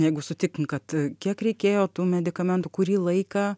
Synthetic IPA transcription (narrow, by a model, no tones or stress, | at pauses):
jɛɪɡʊsʊt̪ʲɪkɪŋkɐt̪kʲiɛkɾʲɛɪkʲeːjoːt̪uːmʲɛd̪ʲɪkɐmʲɛnt̪ʊkʊɾʲiːlˠɐɪkɑː